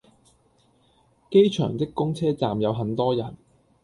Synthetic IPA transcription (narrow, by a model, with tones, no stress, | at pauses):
ke˥jt͡ʃʰœ̰ː˨˩ŋt͡sɪ˥kːʊ˥ŋt͡sʰɛː˥t͡sa̰ː˨mjɐ˨˧wɦɐ˨˥nt̪ɔː˥jɐ˨˩n